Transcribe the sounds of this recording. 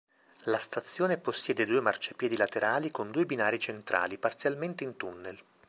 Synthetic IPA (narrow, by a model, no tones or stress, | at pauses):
last̪at̪sːjoːneposːjɛːd̪ed̪uːemart͡ʃapjɛːd̪ilat̪eɾaːlikond̪uːebinaːɾit͡ʃent̪ɾʔa̰ːlipart̪sjalment̪eint̪unːel